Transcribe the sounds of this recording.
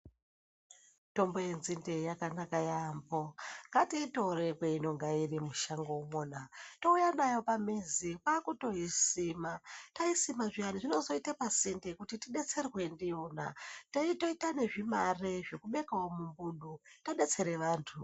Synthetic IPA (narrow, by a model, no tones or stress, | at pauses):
to̞mbo̞je̞nzinde̞jakanakajambo̞ŋɡatito̞rekweino̞ŋɡairimuʃaŋɡoumoːnato̞ujanajo̞pamizikaːkuto̞ɦisimataisimaʐianiʐino̞zo̞itapasindekutitiɗe̞t͡se̞rwe̞ndijona̰taito̞itane̞ʐimareʐe̞kuɓe̞kawomumbuɗutaɗe̞t͡se̞ɾe̞ʋaːntʰu